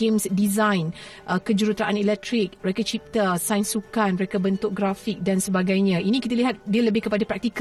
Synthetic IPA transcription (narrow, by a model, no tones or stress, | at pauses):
emsdizãjn | ʔəkəd͡ʒuɾut̪ɾaʔanelɛk̚t̪ɾik̚məɾekat͡ʃip̚t̪asajnsukanməɾekabənt̪ʊk̚ɡɾafik̚dansəbaɡajɲãinĩkit̪aliɦat̪̚diələbɪhkəpadapɾak̚t̪ik